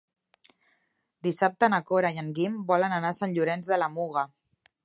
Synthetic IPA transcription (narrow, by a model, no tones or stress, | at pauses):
d̪isap̚t̪ənəkoɾajəŋɡimbɔlənənasaɲʎuɾɛnzðəlamuɣə